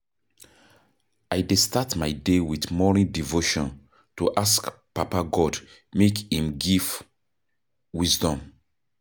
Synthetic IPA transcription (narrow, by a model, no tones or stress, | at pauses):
ajdestatmajdewiθmɔɹĩndivoʃɔ̃n | tuʔaskpapaɡɔd | mekhĩmɡiv | wizdɔ̃m